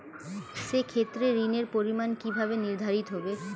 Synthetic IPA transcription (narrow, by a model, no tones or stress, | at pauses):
ʃekʰet̪ːɾeɾineɾpoɾimankibʱabeniɾd̪ʱaɾit̪oɦobe